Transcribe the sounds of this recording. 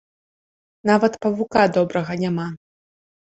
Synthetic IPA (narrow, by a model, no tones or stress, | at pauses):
navɐt̪pɐvukad̪ɔbɾɐɣɐnʲama